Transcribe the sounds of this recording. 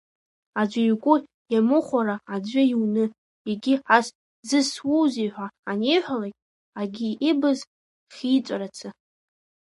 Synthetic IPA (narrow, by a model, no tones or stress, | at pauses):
ad͡ʒʷaɥkʷʼʊ | jamɨχʷaɾaad͡ʒʷɪjiwnɨ | eɡʲɪħas | zɨswowzijħʷaːnejħʷalakʲʼ | aɡʲiibɨz | χʲit͡sʷʼaɾat͡sʰɨ